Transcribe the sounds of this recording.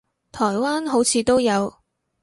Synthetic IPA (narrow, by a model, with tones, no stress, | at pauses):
t̪ʰɔː˨˩jwaː˥nɦo˨˥wt͡sʰiː˨˧t̪o˥wjɐ˨˧w